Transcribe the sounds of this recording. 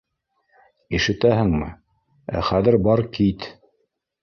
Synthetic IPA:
iʃɘ̆t̪æɦɘ̆ŋmɘ̰ | æ̰χæðɘɾbɑɾkit̪

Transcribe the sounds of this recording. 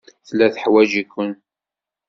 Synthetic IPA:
θlːæθħwæd͡ʒikːʊn

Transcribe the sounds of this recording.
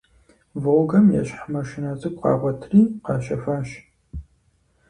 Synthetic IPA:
voɡɐmjɛ̰ɕħmɐʃɪnɐzʼɨkʷʼqɑ̰ːʁʷɔtʰriːqɑːɕɐfɐɕ

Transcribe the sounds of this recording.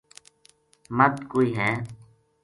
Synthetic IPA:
mət̪koːiːɦɛ̃ː

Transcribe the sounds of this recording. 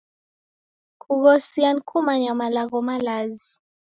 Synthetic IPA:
kuɣɔsiankʰumaɲamalaɣɔmalazi

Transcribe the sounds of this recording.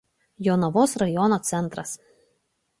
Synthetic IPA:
joːnɐʋoːsɾɐjɔnoːt̪sʲɛnˑt̪ɾɐs

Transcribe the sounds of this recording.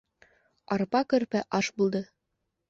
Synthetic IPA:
ɑɾpɑkɵ̆ɾpæʔɑʃbulˠd̪ɤ

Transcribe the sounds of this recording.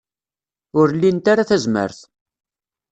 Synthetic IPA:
ʊɾlːint̪aɾaθæzmə̰ɾθ

